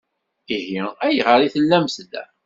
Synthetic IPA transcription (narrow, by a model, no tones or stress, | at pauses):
ihiæjʁəɾiθəlːæmsd̪æ̰